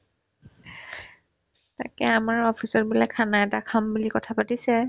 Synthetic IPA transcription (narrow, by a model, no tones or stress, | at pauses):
ta̰kɛamaɹɔpʰisɔt̚bulakʰanaɛtakʰambulikɔtʰapatisɛ